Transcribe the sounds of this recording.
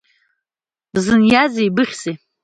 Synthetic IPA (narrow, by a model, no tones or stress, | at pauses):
zɨnjazijbɨχʲse